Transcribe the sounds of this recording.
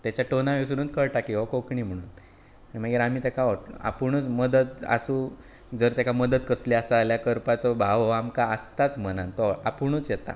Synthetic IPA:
t̪jat͡ɕjaʈonaʋes̬uɽuːnkəɭʈakiʋɔkokɳiːm̤əɽ̃uːn | ənim̤aɡiɾam̤iːt̪ekaʋɔa̰puɳ̃uːt͡sməd̪ət̪a̰sũː | d͡zəɾt̪ekaməd̪ət̪kəsliasaaljakəɾpat͡sɔbʱaʋɔamkaəst̪at͡smənant̪ɔapuɳ̃uːt͡sjɛt̪a̰

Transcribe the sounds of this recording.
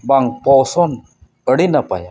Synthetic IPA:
baŋpɔsɔn | əɽinapa̰ja

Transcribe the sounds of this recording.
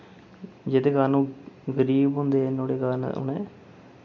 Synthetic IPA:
d͡ʒeːd̪eːɡaɾnũːɡəɾiːbɦʊ̃nd̪eːnoːɽeːkaɾn̰ʊ̰nḛː

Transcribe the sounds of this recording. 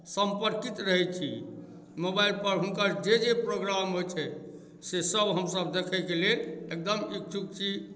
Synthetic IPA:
səmpəɾkit̪ɾəɦɛt͡ʃʰḭ | mobailpəɾɦunkəɾd͡ʒed͡ʒepɾoɡɾamɦojt͡ʃʰɛ | sesəbɦəmsəbd̪ekʰɛkelelek̚d̪əmik̚t͡ʃʰuk̚t͡ʃʰi

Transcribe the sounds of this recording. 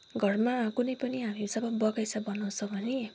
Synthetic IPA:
ɡʱʌrmakunʌjpʌniɦamisʌbʌbʌɡajsʰʌbʌnʌw̃t͡sʰʌbʱʌne

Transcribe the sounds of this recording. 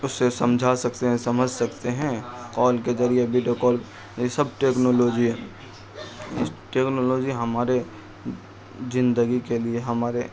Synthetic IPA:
ʊsːesɐ̃md͡ʒʱasɐkt̪eɦɛ̃sɐməd͡ʒʱsɐkt̪eɦɛ̃kɔːlked͡ʒɐɾieɐbʱiɖokɔːl | esɐbʈeːknoːloːd͡ʒiɦɛ | ɪ̰sʈeːknoːloːd͡ʒiɦɐmaːɾe | zɪ̃nd̪əɡikelieɦɐmaːɾe

